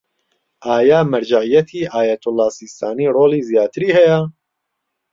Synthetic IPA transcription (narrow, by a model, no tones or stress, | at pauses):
ʔaːjaːmɐɾd͡ʒaʕijɛt̪ʰiːʔaːjɛt̪ʰʊlːaːsiːst̪ʰaːniːroːliːzijaːt̪ʰɨɾiːhɛjɛ